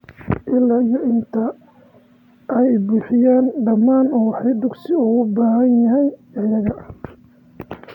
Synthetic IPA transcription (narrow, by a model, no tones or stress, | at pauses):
ʔɪlːaːijɔʔɪnt̪ʰɐ | ʔɛjbʊːħɪjaːnɖɐmaːnɔːwħɑjd̪ʊɡsɪʊɣʊbaːɦɐnjɐɦɛjɐjɐɣɐʔ